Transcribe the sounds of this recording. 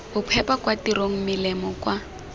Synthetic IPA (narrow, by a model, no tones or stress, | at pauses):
bʊpʰɛpakwatiɾoŋ̩mɪlɛmɔkʼwa